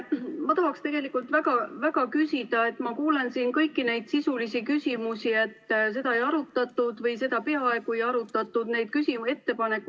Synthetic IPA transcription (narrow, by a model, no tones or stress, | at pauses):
mɑt̪ɑɦɑkst̪e̞ɡ̥e̞likːˑult̪væɡ̥ɑvæɡ̥ɑkysid̪̥ɑe̞t̪ːmɑkuːle̞nsiːnkɤ̞jkːine̞jd̪̥sisulisikysʲimusie̞t̪ːs̬e̞d̪̥ɑejɑɾut̪ːˑɑt̪ːˑud̪̥vɤjse̞d̪̥ɑpe̞ɑe̞ɡ̥ue̞jɑɾut̪ˑːɑt̪ːˑud̪̥ne̞jd̪̥̚kysʲie̞t̪ːe̞pɑne̞kːˑu